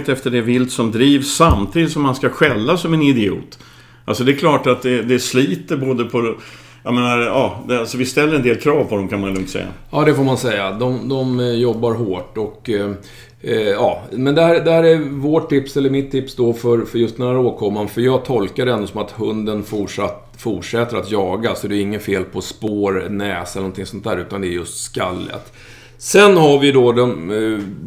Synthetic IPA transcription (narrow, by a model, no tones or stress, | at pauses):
t̪ɛft̪əɖɛvɪlt̪sɔmd̪ɾiːvsːamt̪ʰiːd̪ɪt̪sɔmːanskaɧɛlːasɔmɛnɪd̪ɪṵːt̪ | ʔalsɔd̪ɛkʰlɑːʈat̪̚d̪ɛd̪ɛsliːt̪əɾboːd̪əpʰɔ | jɑmeːnaɾɑːd̪ɛalsɔvɪst̪ɛlːəɾɛnd̪eːlkʰɾɑːvpʰɔd̪ɔmkʰanmanɛlɵŋt̪sɛ̰jːa̰jɑːd̪ɛfoːɾmansɛjːad̪ɔmd̪ɔmjɔbːaɾɦoːʈɔk | ɑːmɛnd̪ɛhæːɾd̪ɛhæːɾæɾvoːʈʰːɪpsɛlːəɾmɪt̪ʰːɪpsd̪ɔfœɾfœɾjɵst̪ɛnhæːɾoːkʰɔmːanfœɾjɑːɡ̚t̪ʰɔlkad̪ɛɛnd̪osɔmat̪hɵnd̪ənfʊʂat̪ | fʊʂɛt̪ːəɾat̪jɑːɡasɔæɖ̪ɛɪŋːənfeːlpʰɔspoːɾnɛːsɛlənɔnt̪ʰɪŋsɔnt̪̚d̪æːɾʉ̟ːt̪and̪ɛːɾjɵst̪skalːə̰t̪ | sɛnhaɾvɪd̪ɔd̪ɔm